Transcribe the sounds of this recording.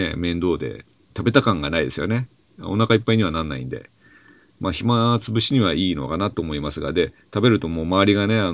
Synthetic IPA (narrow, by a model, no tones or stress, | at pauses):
emẽ̞nd̪o̞ːd̪e̞̰ | t̪abe̞t̪akãŋɡanaid̪e̞sɨjo̞ne̞̰ | o̞nakaipːaiɲ̟iβ̞anãnːa̰ḭ̃nd̪e̞̰ | maːçimat͡sɨbɯ̟ɕiɲ̟iβaiːno̞̰kanat̪o̞ːmo̞imasɨɡa̰d̪e̞ | t̪abe̞ɾɯ̟t̪o̞mo̞ːmaːɾʲiɡane̞an